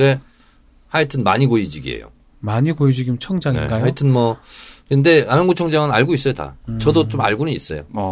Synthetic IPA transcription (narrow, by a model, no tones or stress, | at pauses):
e | haitʰɯnma̰ɲiɡoid͡ʑiɡḭḛjo̰ | maɲiɡoid͡ʑiɡimt͡ɕʰʌŋd͡ʑaŋinḛɡajaitʰɯnmʌkɯnde̞anɯnɡut͡ɕʰʌŋd͡ʑaŋɯnaɭɡois͈ʌjota̰t͡ɕʌdot͡ɕoma̰ɭɡunɯnis͈ʌ̰jo̰